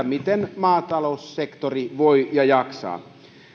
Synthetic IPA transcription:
ɑmit̪enmɑːt̪ɑlousːekt̪oriʋoijɑjɑksɑ̰ː

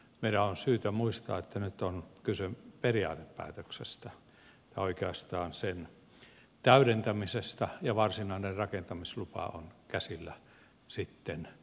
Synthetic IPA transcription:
meiɾæonsyːt̪æmuist̪ɑ̰ːet̪ːænyt̪ːonkylseperiɑ̰ːt̪eppæ̰ːt̪øksest̪æ | et̪ːæoikeɑst̪ɑːnsen | t̪æyɾent̪æmisest̪ɑjɑʋɑrsinɑinerrɑkent̪ɑmislupɑ̰o̰nkæsilːæ | sit̪ːen

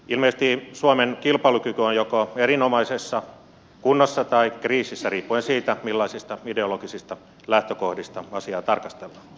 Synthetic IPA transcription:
ilmest̪iːsuomenkilpɑlukykyonjokoerinomɑisesːɑ | kunːosːɑt̪ɑikriːsisːæriːpːuensiːt̪æmilːɑisist̪ɑideoloɡisist̪ɑ | læht̪økohdist̪ɑɑsiɑːt̪ɑrkɑst̪elːɑː

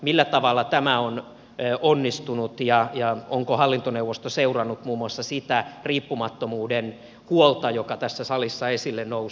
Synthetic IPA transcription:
milːæt̪ɑʋɑlːɑt̪æmæon | ʔonːist̪unut̪jɑjɑoŋkohɑlːint̪oneuwʋːost̪oseurɑnːut̪muːmːuɑsːɑsit̪æriːpːumɑt̪ːomuːden | huolt̪ɑjokɑt̪æsːæsɑlisːɑesilːennous

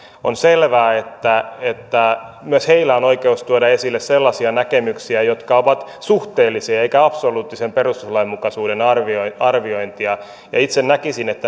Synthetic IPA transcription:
onselʋæːet̪ːæet̪ːæ | myøsheilæonoikeust̪uodɑesilːesselːɑsiɑnækemyksiæjot̪kɑoʋɑt̪suht̪eːlːisiɑeikæɑpsoluːt̪ːisemperust̪uslɑimmukɑsuːdenɑrʋoɑrʋioint̪iɑ | jɑ̰it̪sennækisinet̪ːæ

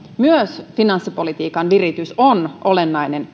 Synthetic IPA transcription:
myøsfinɑnsːipo̞lit̪iːkɑnʋirit̪ysonʔolenːɑjnen

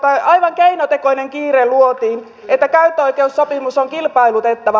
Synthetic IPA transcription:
t̪ɑɑjʋɑŋkeinot̪ekoineŋkiːreluot̪iːn | et̪ːækæyt̪ːøo̞ijkeussopimusoŋkilpɑilut̪et̪ːɑʋɑ

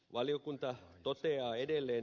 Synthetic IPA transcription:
ʋɑlijokunt̪ɑt̪ot̪eɑːedelːeːn

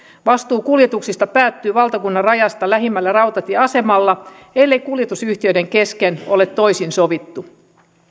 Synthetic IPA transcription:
ʋɑst̪uːkuljet̪uksist̪ɑpæːt̪ːyːʋɑlt̪ɑkunːɑrrɑjɑst̪ɑlæɦimːælːærɑwt̪ɑt̪iɑse̞mɑlːɑ | elːe̞jkuljet̪usyht̪iø̞jde̞ŋke̞skeno̞le̞t̪ːo̞jsinsoʋit̪ːu

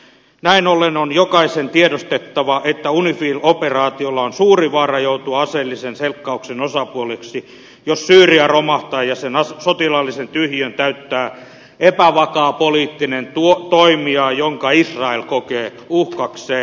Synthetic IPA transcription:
næinolːenonjokɑisent̪iedost̪et̪ːɑʋɑʔet̪ːæunifiːloperɑːt̪iolːɑonsuːriʋɑːrɑjout̪uɑɑselːisenselkːɑuksenosɑpuoleksi | jossyːriæromɑht̪ɑːjjɑsenɑssot̪ilɑlːisent̪yhjønt̪æyt̪ːæː | epæʋɑkɑːpoliːt̪ːinent̪uot̪oimiɑːjoŋkɑisrɑelkokeː | uhkɑkseː

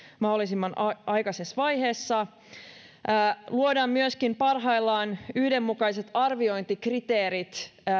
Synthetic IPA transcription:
mɑholːˑisimːɑnɑjkɑsesʋɑjhe̞ːsːɑ | luodɑːmmyøskimpɑrɦɑjlːɑːnyhde̞mːukɑjse̞t̪ɑrʋio̞jnt̪ikrit̪eːɾit̪

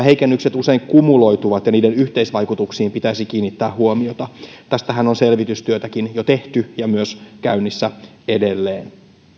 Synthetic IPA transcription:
ɦeikenːykset̪use̞iŋkumulo̞jt̪uʋɑt̪jɑniːdenyht̪eisʋɑjkut̪uksiːmpit̪æisikiːnːit̪ːæːhɦuomiot̪ɑt̪æst̪æɦænonse̞lʋit̪yst̪yøt̪ækinjot̪eht̪yjɑmyøskæynːisːæ | ede̞lːeːn

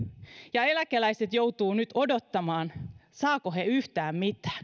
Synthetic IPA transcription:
jɑelækelæjset̪jo̞wt̪uːnyt̪o̞dot̪ːɑmɑːnsɑːkoheyht̪æːmmit̪ˑæ̥ː

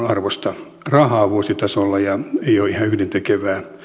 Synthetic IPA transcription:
ɑrʋost̪ɑ | rɑhɑːʋuosit̪ɑsolːɑjɑeioːihɑyhdent̪ekeʋæː

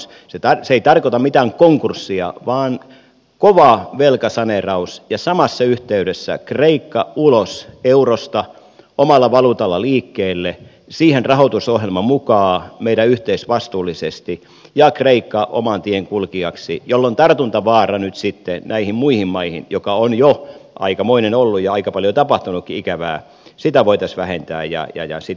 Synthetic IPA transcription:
set̪ɑseeit̪ɑrkot̪ɑmmit̪æːŋkoŋkursːiɑ̰ʋɑːn | koʋɑʋelkɑsɑnerɑusjɑsɑmɑsːɑyht̪eyɾesːæ̰kreikːɑuloseurost̪ɑ | omɑlːɑʋɑlut̪ɑlːɑliːkːeːlːe | siːhenrɑhot̪usohjelmɑmukɑːmeiɾæyht̪eisʋɑst̪uːlːisest̪i | jɑkreikːɑʔo̰mɑnt̪ieŋkulkiɑksijolːont̪ɑrt̪unt̪ɑʋɑːrɑnyt̪sit̪ːenæihimmuihimmɑihḭnjokɑonjoʔɑ̰ikɑmoinenolːujɑɑikɑpɑljot̪ɑpɑht̪unukːiikæʋæ̰ː | sit̪æʋoit̪ɑsʋæhent̪æ̰ːjɑ̰jɑ̰jɑ̰si

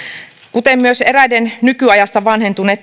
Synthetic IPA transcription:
kut̪emmyøseræjdennykyɑjɑst̪ɑʋɑnhent̪unːet̪ː

